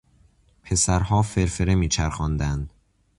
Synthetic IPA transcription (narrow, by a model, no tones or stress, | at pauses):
pʰe̞sæɾhɒːfe̞ɾfe̞ɾe̞miːt͡ʃʰæɾxɒːnd̪ænd̪̥